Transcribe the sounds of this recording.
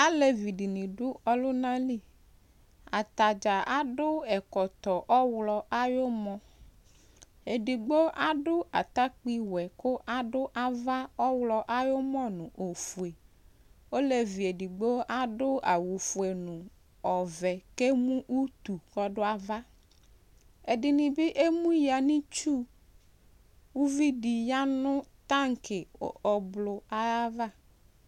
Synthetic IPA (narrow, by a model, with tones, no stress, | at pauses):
a˦le˨vi˨ɖi˨nĩ˨ɖo˦ɔ˦lo˦nã˦li˦ | a˨t̪a˨d͡ʒa˨a˦ɖo˦ɛ˨kɔ˨t̪ɔ˨ʔɔ˦wlɔ˨ʔa˦jo˦mɔ̃˦ | e˨ɖi˨ɡ͡bo˦ʔa˦ɖo˦ʔa˨t̪a˦k͡pi˦wɛ˨ko˦ʔa˨ɖo˦ʔa˦va˦ɔ˦wlɔ˨ʔa˦jo˦mɔ̃˦nũ˨ʔo˨fu˨e˨ | o˦le˨vi˨e˨di˨ɡ͡bo˦a˨dʊ˦a˨wu˨fu˨e˨nʊ̃˨ | ɔ˨vɛ˨ke˦mũ˦ʔu˦t̪u˨kɔ˨dʊ˦a˨va˦ | ɛ˨dɪ˨nɪ̃˨bɪ˦ʔe˦mũ˦ja˨nɪ̃˦t͡ʃu˦ | wu˦vi˦di˨ja˦nʊ̃˦t̪a˦ŋ̩˨kɪ˨ɔ˨blʊ˨a˨ja˦va˦